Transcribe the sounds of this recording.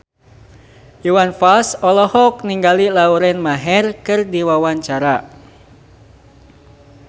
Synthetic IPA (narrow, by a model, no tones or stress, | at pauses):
uwanfalsɔlɔhɔk̚niŋɡalilauɾɛnmaɦɛrkɨrdiwawaɲt͡ʃaɾa